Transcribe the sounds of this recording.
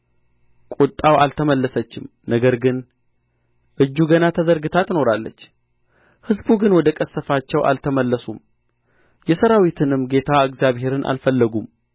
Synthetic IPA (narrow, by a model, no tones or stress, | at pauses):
kʼut̪ʼːawalt̪ʰəməlːəsət͡ʃːɪm | nəɡəɾɡɨn | ʔɨd͡ʒːuɡənat̪ʰəzəɾɡɨt̪ʰat̪no̞ɾalːə̰t͡ʃː | hɨzbuɡɨnwɔd̪əkʼəsːəfat͡ʃːɛwʔa̰lt̪ʰəməlːəsum | jɛsəɾawit̪ʰɨnɨmɡe̞t̪ʰaɨɡzjaβhe̞ɾɨnʔa̰lfəlːəɡum